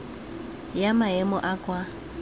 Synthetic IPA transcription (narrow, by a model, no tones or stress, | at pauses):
jamaɦɛmɔʔakʼwa